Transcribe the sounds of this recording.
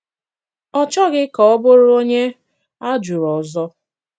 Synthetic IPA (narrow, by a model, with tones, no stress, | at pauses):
ɔ˦t͡ʃɔ˦ɣɪ˦kɔ˨ɔ˦bʊ˦ɾʊ˦o˦ɲe˦ | a˦d͡ʒu˨ɾɔ˨zɔ˦